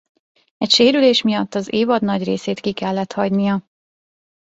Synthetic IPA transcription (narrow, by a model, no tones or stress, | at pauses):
ɛcʃeːɾyleːʃmijɒt̪ːɒzeːvɒd̪nɒɟreːseːt̪kikɛlːɛt̪hɒɟnijɒ